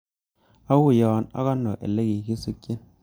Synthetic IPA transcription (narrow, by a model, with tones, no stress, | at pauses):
a˦wu˦jɔ˨˦na̰˦ka˦nːo̰˨ʔḛ˨le˦ki˨ki˦su˦kji˦n